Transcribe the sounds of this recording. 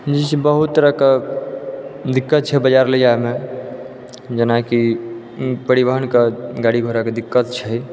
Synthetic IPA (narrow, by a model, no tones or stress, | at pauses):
d͡ʒisbəɦut̪t̪ːəɾəke | d̪ikːət̪̚t͡ʃʰɛbəd͡ʒaɾlejaeme | d͡ʒənaki | pəɾibəɦənkeɡaɽibʱəɾaked̪ikːət̪t͡ʃʰɛ